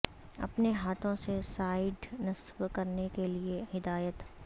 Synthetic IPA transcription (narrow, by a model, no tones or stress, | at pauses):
ɐ̰pneɦaːt̪ʰõsesaːɪɖnɐsbkɐɾnekeliehɪd̪aːjət̪